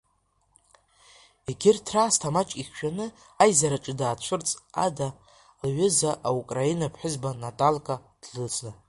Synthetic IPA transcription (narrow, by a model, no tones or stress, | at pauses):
eɡʲɪrtʰraːstʰamat͡ʃʼiχʃᶣanɨ | ajzaɾaʈ͡ʂʼɨdaːt͡ʃʷʰʊrt͡sʼa̰da | lɥʷʏzaʔaukʼrainapʰħʷᶣʊzbanatʼalkʼad̥lɨt͡sʼa